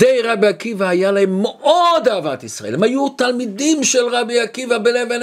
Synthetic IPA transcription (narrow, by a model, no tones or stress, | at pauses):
dejʁabiakivaajalahemːeʔod̪aːvat̪isʁa̰ʔelemajut̪almid̪imʃelʁabiakivabeleven